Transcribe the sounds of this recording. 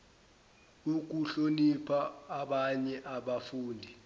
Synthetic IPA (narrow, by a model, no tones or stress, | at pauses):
uk̬uɬonipʰaːɓaɲɛʔaɓafuːndʱi